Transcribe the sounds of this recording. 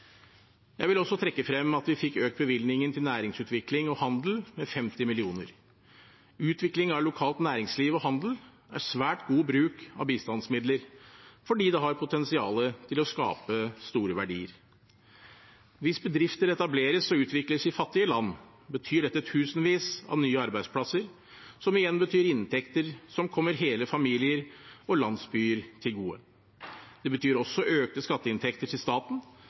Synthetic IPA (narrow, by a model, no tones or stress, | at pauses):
jæɪʋɪlɔsːɔt̪ʰɾɛkːəfɾɛmːɑt̪ʋɪfɪkːøːk̚t̪̚bəʋɪlnɪŋənt̪ʰɪlnæːɾɪŋsʉːt̪ʋɪklɪŋɔhɑnd̪l̩mɛfɛmt̪ɪmɪlɪuːnəɾ | ʉːt̪ʰʋɪklɪŋɑʋlʊkʰɑːlt̪næːɾɪŋsliːʋɔhɑnd̪l̩ | æ̰ɾsʋæːʈɡuːbɾʉːkɑ̰ʋbiːst̪ɑnsmɪd̪ləɾfɔɖiːd̪ɛɦɑɾpʰʊt̪ɛnsɪɑ̰ːlət̪ʰɪlɔskɑ̰ːpəst̪uːɾəʋæɖḭːəɾ | ʋɪsbəd̪ɾɪft̪əɾɛt̪ɑbleːɾəsɔʉːt̪ʋɪkləsɪfɑt̪ːɪəlɑnː | bət̪ʰyːɖɛt̪ːət̪ʰʉːsnʋiːsɑ̰ʋnyːəɑɾbæɪd̪spʰlɑsəɾ | sɔmɪjɛnbət̪ʰyːɾɪnt̪ʰɛkt̪əɾsɔmkʰɔmːəɾɦeːləfɑmiːlɪəɾɔlɑnd̪sbyːəɾt̪ʰɪlɡuːə̰ | d̪̥ɛbət̪ʰyːɾɔsːɔʔøːk̚t̪əskɑt̪ːəɪnt̪ʰɛkt̪əʈʰɪlst̪ɑːt̪n̩